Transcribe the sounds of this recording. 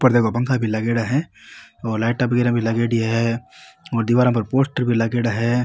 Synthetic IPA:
pɐɾd̪eːkʰopɐ̃ŋkʰabʱilɐɡeːɽaɦɛ̃ɔːɾlaːʈɐbɡeɾãbʱilɐɡeːɽiɦɛ | ɔːɾd̪iʋaːɾãpɐɾpoːsʈəɾbʱilɐɡeːɽaɦɛ

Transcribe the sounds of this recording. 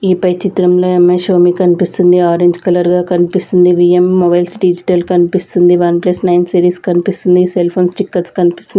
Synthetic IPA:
iːpɐjt͡ʃit̪ɾɐmlo̞ːemːeʃoːmikɐnipist̪und̪iaːɾeɲd͡ʒkɐlɐɾɡaːkɐnipist̪und̪iʋiemːɔbɐjlsɖid͡ʒiʈɐlkɐnipist̪und̪iʋɐnplɐsnɐjnsiːɾiːskɐnipist̪und̪iselpʰoːnsʈikːɐʈskɐnipist̪un

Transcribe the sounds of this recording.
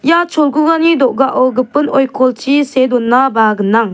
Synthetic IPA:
jat͡ʃʰɔlɡuɡanidɔʔɡaʔɔɡɯpɯnɔjkʰɔltʰisedɔnːabaɡɯnːaŋ

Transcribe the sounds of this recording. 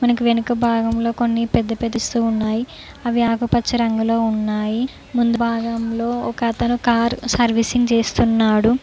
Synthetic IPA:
mɐnɐkuʋe̞nukɐbʱaːɡɐmlo̞ːko̞nːipɛd̪ːɐpɛd̪ːɐst̪uːunːaːji | ɐʋiaːkupɐt͡ʃːɐɾɐŋɡuloːunːaːji | mund̪ubʱaːɡɐmlo̞ːɔkɐt̪ɐnukaːɾsɐɾʋisiŋɡt͡ʃe̞ːst̪unːaːɽu

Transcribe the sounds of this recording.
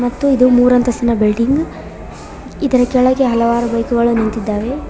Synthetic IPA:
mɐt̪ːuid̪umuːɾɐnt̪ɐsinɐbilɖiŋɡ | id̪ɐɾɐkɛɭɐɡeɦɐlɐʋaːɾubɐjkuɡɐɭunɐnt̪id̪ːaːʋe̞

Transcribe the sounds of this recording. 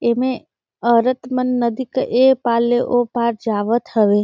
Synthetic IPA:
eːmẽ | əɾət̪mənːəd̪ikəʔepaːlːeʔopaːɾd͡ʒaːʋət̪həʋe

